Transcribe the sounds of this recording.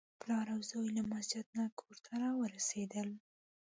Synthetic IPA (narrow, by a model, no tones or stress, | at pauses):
plɑɾawzɑjlamasd͡ʒɪd̪̚nakʰoɾt̪ʰaɾɑwəɾased̪əl